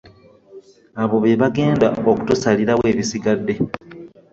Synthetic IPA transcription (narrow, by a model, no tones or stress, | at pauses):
aβo̞βe̞βaɡe̞ːndao̞ku̥tusaliɾaβwe̞ːβisiɡadːe̞